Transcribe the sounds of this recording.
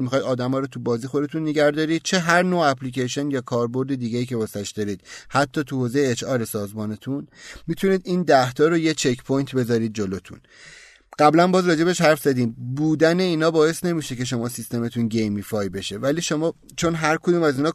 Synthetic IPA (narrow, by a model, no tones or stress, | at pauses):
mixɒjd̪ɒːd̪æmɒːɾot̪ʰubɒːziːxod̪e̞t̪ʰunːeɡæɾd̪ɒːɾiːd̪̥̚t͡ʃʰe̞ɦæɾnoːæpʰliːcʰeʃonjɒːkʰɒːɾbo̞ɾd̪ed̪iːɡeiːcʰe̞vɒsæʃd̪ɒɾiːd̪̥hæt̪ʰːɒːt̪ʰuhoːze̞jeːt͡ʃɒːɾe̞sɒːzmɒːne̞t̪ʰunmit̪ʰuniːd̪iːnd̪æht̪ʰɒːɾojet͡ʃʰekʰpʰojnt̪ʰbe̞zɒːɾiːd̪̚d͡ʒolot̪ʰṵn | ɢ̥æblænbɒːzɾɒːd͡ʒe̞beʃhæɾfzæd̪iːmbuːd̪æne̞iːnɒːbɒːje̞st̪ne̞miʃece̞ʃo̞mɒːsist̪e̞met̪ʰunɟejmifɒːjbe̞ʃevæliːʃo̞mɒː | t͡ʃʰo̞nɦæɾkʰod̪uːmæziːnɒː